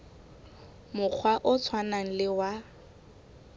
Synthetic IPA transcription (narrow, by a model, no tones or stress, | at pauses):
mʊk͡xʰwaʔʊt͡sʰwanaŋ̩lɪwa